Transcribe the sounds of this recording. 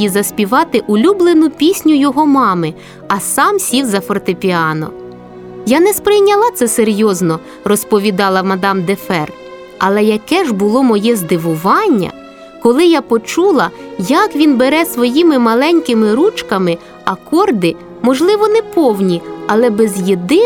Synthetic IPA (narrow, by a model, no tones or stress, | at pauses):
izɐsʲpʲiʋɑt̪ɪʔʊlʲublˠenʊpʲisʲnʲʊjɔɦɔmɑmɪ | ɐsɑmsʲiwzɐfɔrt̪ɪpʲiɑnɔ̰ | janɛspɾɪjnʲɐlˠɑt̪sɛseɾʲjɔznɔ | rɔspɔʋʲid̪ɑlˠɐmɐd̪ɑmd̪efɛr | ɐlˠɛjɐkɛʒbʊlˠɔmɔjɛzd̪ɪʋʊʋɑnʲːɐ̰ | kɔlˠɪjapɔt͡ʃulˠɐjɐkʋʲinbeɾɛsʋɔjimɪmɐlˠɛnʲkɪmɪɾut͡ʃkɐmɪ | ɐkɔrd̪ɪ | mɔʒlˠɪʋɔnɛpɔwnʲiɐlˠɛbɛzjed̪ɪ